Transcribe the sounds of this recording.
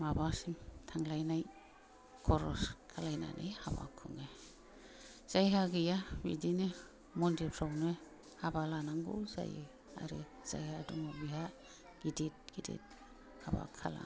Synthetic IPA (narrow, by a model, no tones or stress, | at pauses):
mabasiŋtʰaŋlajnaj | kʰɔɾɔskʰalajna̰nʔejhaba̰kʰuŋe | z̥ajɦaɡɯjabḭdine | mɔndipʰɾawnɯ | habalanaŋɡṵwza̰je | a̰ɾḛ | z̥a̰jhadumɔbiɦa | ɡ̥idit̚ɡ̥idḭt̚ | haba̰kʰala̰